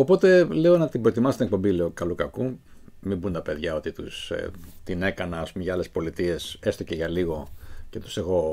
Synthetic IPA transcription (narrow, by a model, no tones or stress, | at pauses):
o̞po̞t̪e̞le̞o̞nɐt̪ibɾoet̪imɐst̪ink̚po̞mbile̞o̞kɐlukɐku | mibunt̪ɐpe̞ðʝɐo̞t̪it̪ust̪ine̞kɐnɐːspumeʝɐɐle̞spo̞lit̪ie̞se̞st̪o̞ce̞ʝɐliɣo̞cet̪u̥se̞xo̞